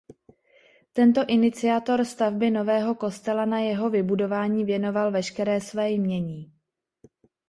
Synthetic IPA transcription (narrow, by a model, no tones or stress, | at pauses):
t̪ɛnt̪o̞ʔɪnɪt͡sɪat̪o̞ɾst̪avbɪno̞vɛːɦo̞ko̞st̪ɛlanajɛɦo̞vɪbudo̞vaːɲiːvjɛno̞valvɛʃkɛɾɛːsvɛːjmɲɛɲiː